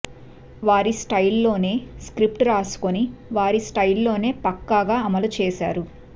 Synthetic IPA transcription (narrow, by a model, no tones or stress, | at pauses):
ʋaːɾisʈɐjlːo̞ːne̞ːskɾipʈɾaːsu̥koniʋaːɾisʈɐjlːo̞ːne̞ːpɐkːaːɡaːɐmɐlut͡ʃɛːʃa̰ːɾu